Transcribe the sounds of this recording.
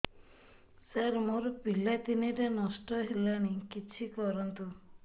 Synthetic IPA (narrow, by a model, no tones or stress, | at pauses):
saɾmoɾɔpilat̪iniɾenɔsʈɔɦelaɽ̃ikit͡ʃʰikɔɾɔnt̪u